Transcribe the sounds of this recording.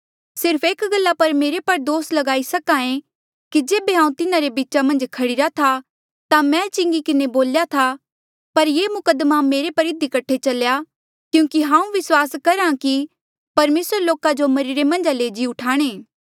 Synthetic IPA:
sɪɾpʰeːkɡɐlːapɐɾmeːɾepɐɾd̪oːslɐɡaːisɐkãẽ | kid͡ʒeːbeɦãːũt̪ɪnaɾebiːtːt͡ʃamɐ̃nd͡ʒkʰɐɽɪɾat̪ʰa | t̪amɛ̃t͡ʃɪ̃ŋɡikɪneboːljat̪ʰa | pɐɾjeːmʊkəd̪mameːɾepɐɾɪd̪ikɐʈʰet͡ʃɐlja | kjũːkiɦãːũʋɪswaːskɐɾãki | pɐɾmeːsəɾloːkad͡ʒomɐɾɪɾemɐ̃nd͡ʒaleːd͡ʒiʊʈʰaːɽ̃eː

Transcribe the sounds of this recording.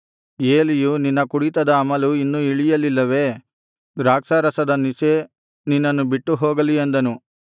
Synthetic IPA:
eːlijuninːɐkuɽit̪ɐd̪ɐːmɐluinːuiɭijɐlilːɐʋe̞ː | d̪ɾaːksɐɾɐsɐd̪ɐnise | ninːɐnːubiʈːuɦoːɡɐliend̪ɐnu

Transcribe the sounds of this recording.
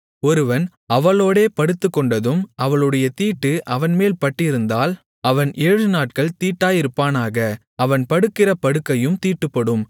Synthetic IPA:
ɔɾɯʋɐn | ɐʋɐɭoːɽeːpɐɽɯt̪ːɯkːɔɳɖɐðɯmʔɐʋɐɭɯɽɐjɐt̪iːʈːɯʔɐʋɐnmeːlpɐʈːɪɾɯnd̪aːl | ɐʋɐnʔeːɻɯnaːʈ̚kɐɭt̪iːʈːaːjɪɾɯpːaːnaːɣɐ | ɐʋɐnpɐɽɯkːɪrɐpɐɽɯkːɐjɯmt̪iːʈːɯpːɐɽɯm

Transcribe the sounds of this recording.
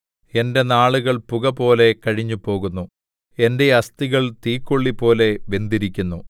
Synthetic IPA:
e̞nde̞naːɭuɣɐɭpuɣɐpo̞ːle̞kɐɻiɲːupo̞ːɣunːu | ende̞ɐst̪iɣɐɭt̪iːkːoɭːipo̞ːle̞ʋe̞nd̪iɾikʲːunːu

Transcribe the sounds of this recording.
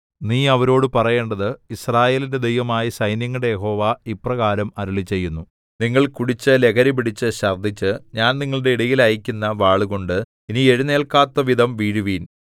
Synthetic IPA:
niːɐʋɐɾo̞ːɽɨpɐrɐje̞ːɳɖɐðɨisraːje̞ːlinde̞d̪e̞jʋɐmaːjisɐjnjɐŋːuɽe̞jeɦo̞ːʋaːiprɐɣaːɾɐmɐɾuɭit͡ɕːe̞jːunːu | niŋːɐɭkuɽit͡ɕːɨle̞kʰɐɾipiɽit͡ɕːɨɕɐrd̪ʱit͡ɕːɨɲaːnniŋːɐɭɨɽe̞iɽɐjilɐjikʲːunːɐʋaːɭuɣo̞ɳɖɨ | inie̞ɻune̞ːɭkaːt̪ːɐʋid̪ʱɐmʋiːɻuʋiːn

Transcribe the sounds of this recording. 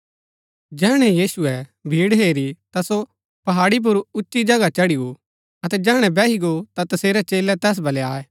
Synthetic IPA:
d͡ʒɛːɽ̃ɛjiːsʊɛbʱiːɽɦeːɾit̪aso | pɐɦaːɽip̬ʊɾʊtːʃid͡ʒɐɡat͡ʃɐɽiɡo | ɐt̪ɛd͡ʒɛːɽ̃ɛ̃bɛːɦiɡot̪at̪ɐseːɾɛt͡ʃeːlɛt̪ɛːs̬bʱɐleaːɛː

